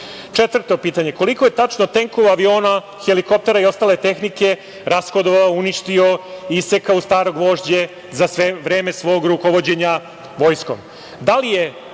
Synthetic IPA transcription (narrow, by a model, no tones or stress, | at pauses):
t͡ʃe̞t̪ʋr̩t̪o̞piːt̪aɲe̞ko̞likoje̞t̪at͡ʃnot̪e̞ŋkoʋaʋio̞ːna | xeliko̞p̚t̪e̞ɾaio̞st̪aːle̞t̪e̞xnike̞ | ɾasxod̪oʋaouniʃt̪io̞isekaust̪aːɾo̞ɡʋo̞ːʐd͡ʑe̞ | zasʋeʋɾeːme̞sʋo̞ːɡɾuko̞ʋo̞d͡ʑe̞ɲa | ʋo̞jsko̞̰m | d̪alije̞